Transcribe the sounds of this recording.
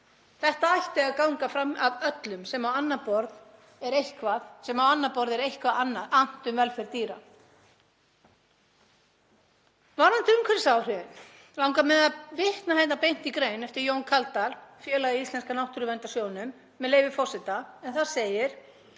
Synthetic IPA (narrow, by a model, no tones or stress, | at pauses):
θɛht̪aajht̪ɪaðkawŋkafɾamaðœt̪lʏmsɛmawanːapɔɾð | ɛɾejhkvaðsɛmawanːapɔɾðɛɾejhkvanːaʔan̥t̪ʏmvɛlfɛɾt̪iːɾa | vanant̪ɪʏmkʰɛɾsawr̥ʏɪn | lawŋkamɛðavɪht̪nahajt̪napejn̥t̪ikɾeːjnɛft̪ɪɾjownkʰalt̪alfjɛːlaist̪lɛnskanawht̪ʏɾʏvɛnt̪asjoːwnʏmː | ɛðleːjvɪfɔsɪt̪aɛnθaðseːjɪɾ̥